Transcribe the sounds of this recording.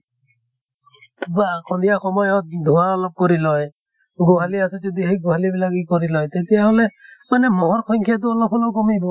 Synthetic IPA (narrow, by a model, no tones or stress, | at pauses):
bakʰɔnd̪ijaxɔmɔjɔt̪̚d̪ʱɔaɔlɔp̚kɔɾilɔj | ɡoɦaliasɛd͡ʒɔd̪iɦejɡoɦalibilakikɔɾilɔjt̪et̪ijaɦɔlemanemɔɦɔɾkʰɔŋkʰjat̪̬uɔlɔpʰɔlɔkɔmibɔ